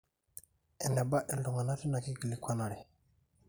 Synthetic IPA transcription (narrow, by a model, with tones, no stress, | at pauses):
ɛ˨nɛ˨ba˦ʔɛ˨ldu˨ŋa˨na˦ti˦na˨ki˦ɡə˨li˨kʰʷa˦na˨ɽi˨